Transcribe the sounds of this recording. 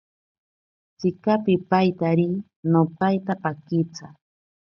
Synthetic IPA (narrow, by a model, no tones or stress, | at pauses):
t͡sɪkapɪpajt̪aɾɪ | nopajt̪apakɪt͡sa̰